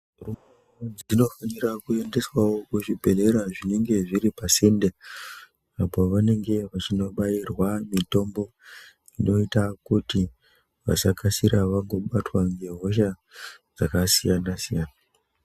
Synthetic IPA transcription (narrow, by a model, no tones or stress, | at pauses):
rumeod͡zino̞fanirakue̞nde̞swawo̞kuʐibʱe̞le̞ɾaʐine̞ŋɡe̞ʐiɾipasende | apo̞ʋane̞ŋɡe̞ʋat͡ʃino̞ɓajirwamito̞mbo̞ | ino̞itakuti | ʋa̰sakasiɾaʋaŋɡo̞ɓatwaŋɡe̞ɦo̞ʃa | d͡zakasijanasijana